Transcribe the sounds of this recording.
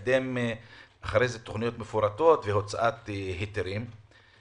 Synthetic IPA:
d̪emʔaχaɾejzet̪oχnijo̞t̪mefuɾat̪o̞t̪vehot͡saʔat̪hit̪eɾim

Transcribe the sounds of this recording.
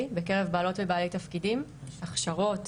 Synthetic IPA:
beke̞ʁevbaːlo̞tvebaːlejtafkidimaχʃaʁo̞t

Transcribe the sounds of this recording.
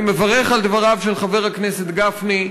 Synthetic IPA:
mevaʁeχald̪vaʁavʃelχave̞ʁ̞aknese̞t̪ɡafni

